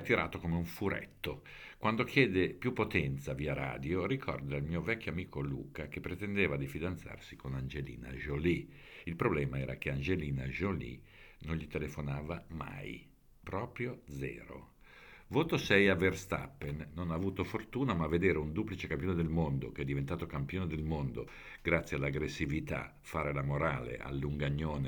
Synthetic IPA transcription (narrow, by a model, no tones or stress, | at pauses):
t̪ːiɾa̰ːt̪okomeuɱfuɾɛ̰t̪ːo | kwand̪okjɛːd̪epjupːot̪ɛnt̪saviːaɾa̰ːd̪jorikʰɔ̰rd̪almiːovɛkʲːjoamiːkolṵːkak̟epːɾet̪end̪eːvad̪ifid̪ant̪sa̰rsikonand͡ʒelḭːna̰ʒoli | ilpɾoblɛːmaɛːɾa̰keand͡ʒeliːna̰ʒolḭ | nonʎit̪elefonaːvama̰j | pɾɔːpɾjod̪zɛ̰ːɾo̰ | voːt̪osɛjaverst̪a̰pːenːonavuːt̪ofort̪uːnamavːed̪eːɾeund̪uːplit͡ʃekampjoned̪elmond̪okeɛd̪ːivent̪aːt̪okampjoːned̪elmond̪o | ɡ̥ɾat̪sːjealːaɡɾesːivit̪a̰ | faːɾelamoɾaːlḛʔa̰lːuŋɡaɲːoːne